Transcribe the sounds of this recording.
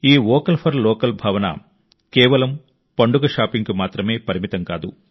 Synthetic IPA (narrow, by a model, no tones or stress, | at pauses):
iːʋɔːkɐlpʰɐɾlɔːkɐlbʱɐːʋɐnɐ̰ | kɛːʋɐlɐm | pɐɳɖuɡɐʃaːpiŋkumaːt̪ɾɐme̞ːpɐɾimit̪ɐŋkaːd̪ṵ